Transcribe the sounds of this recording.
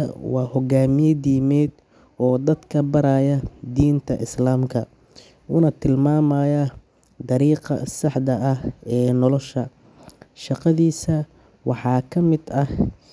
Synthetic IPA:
ɐ̰wɑːhɔɡaːmɪjɐd̪iːmɛːd̪ | ɔːd̪ɐd̪kʰɐbɐɾaːjɐd̪iːnt̪ʰɐʔɪslaːmkʰɐ | ʔuːnɐt̪ʰɪlmaːmɐːjɐ | d̪ɑɾiːqɑ̰sɑħd̪ɐʔɐhɛːnɔlɔʃɐ | ʃɑqɑðiːsɐ | wɑħɑːkʰɐmɪd̪ɐh

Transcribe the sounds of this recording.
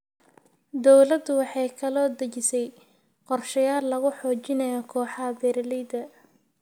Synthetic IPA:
d̪ɔwlɐd̪ʊwɑħɑjkʰɐlɔːd̪ɐt͡ʃɪsɛj | qɔrʃɐjaːlːɐɣʊħɔːt͡ʃɪnɐjɔkʰɔːħɑbɛɾlɪd̪ɐ

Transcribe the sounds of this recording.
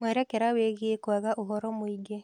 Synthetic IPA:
mwɛɾɛkɛɾaweɣekwaɣaʔoɦɔɾɔmoiɡe

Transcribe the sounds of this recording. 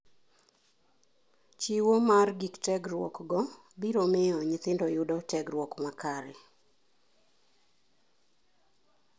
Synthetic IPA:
t͡ʃiwomarɡiktɛɡɾwɔ̰kɡɔ | biɾomɪɔɲɪt̪ɪndɔjʊdɔtɛɡɾwɔkmakʰaɾɛ

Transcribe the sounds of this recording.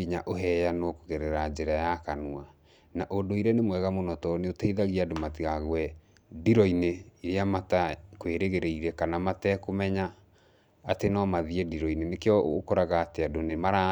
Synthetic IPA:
iɲaʔoɦɛjanokoɣɛɾɛɾad͡ʒɛɾajakanua | naʔondoiɾɛnemwɛɣamonɔtɔneotaiðaɣiadomatiɣaɣwɛ | diɾɔineiɾeamatakweɾeɣeɾeiɾɛkanamatɛkomɛɲaː | tenɔmaðiɛdiɾɔinenekeɔ̰kɔɾaɣaːteadonemaɾa

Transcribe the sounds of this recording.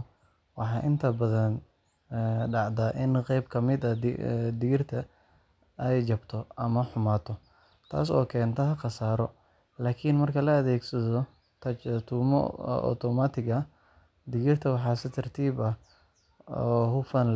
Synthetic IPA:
wɑħɑːʔɪnt̪ʰɐbɐðɐn | ɖɑʕd̪aʔɪnqɛjbkʰɐmɪd̪ɐd̪ɪɣɪrt̪ʰɐ | ɛjt͡ʃɐbt̪ʰɔʔɐmɐħʊmaːt̪ʰɔ | t̪ʰa̰ːs̬ɔ̰ːkʰɛːnt̪ʰɔɦɐqɑsaːɾɔ | laːkʰinmɐrkʰɐlɐɐðɛːɡsɐðɔ | t̪ʰɐt̪ʰuːmɔ̰ʔɔ̰t̪ʰɔmat̪ʰɪɣɐ | d̪ɪɣɪrt̪ʰɐwɑħɑːsɪt̪ʰɐrt̪ʰiːbɐh | ɔːɦʊfɐn

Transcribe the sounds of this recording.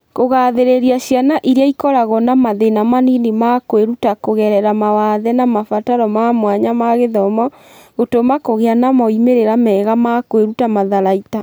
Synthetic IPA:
koɣaðeɾeɾiaɕjanaʔiɾeaikɔɾaɣɔnamaðenamaninemakweɾutakoɣɛɾɛɾamawaðɛnamafataɾɔmamwaɲamaɣeðɔmɔ | ɣotomakoɣeanamɔimeɾeɾamɛːɣamakoeɾutamaðaɾaita

